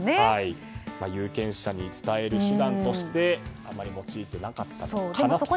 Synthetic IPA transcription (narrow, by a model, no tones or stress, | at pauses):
nehai | majɯ̟ːkẽ̞ɰ̃ɕaɲ̟it͡sɨ̥t̪ae̞ɾɯ̟ɕɨd̪ãnt̪o̞ɕi̥t̪e̞a̰mːaɾʲimo̞t͡ɕiːt̪e̞nakat̪ːaoeamnaso